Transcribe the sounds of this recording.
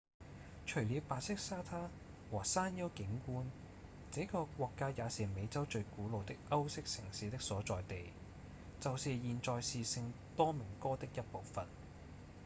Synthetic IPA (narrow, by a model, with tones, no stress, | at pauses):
t͡ʃʰɵ˨˩ɥliː˨˧wpaː˨t̚sɪ˥k̚saː˥t̪ʰaː˥ | wɔː˨˩saː˥njɐ˥wkɪ˨˥ŋkuː˥n | t͡sɛː˨˥kɔː˧kʷɔː˧kːaː˥jaː˨˧siː˨˩me˨˧jt͡sɐ˥wt͡ʃɵ˧ɥkuː˨˥lo˨wt̪ɪ˥k̚ʔɐ˥wsɪ˥k̚sɪ˨˩ŋsiː˨˥t̪ɪ˥k̚sɔː˨˥t͡sɔː˨jt̪e˨j | t͡sɐ˨wsiː˨jiː˨nt͡sɔː˨˧jsiː˨˧sɪ˧ŋt̪ɔː˥mɪ˨˩ŋkɔː˥t̪ɪ˥k̚jɐ˥t̚po˨wfɐ˨n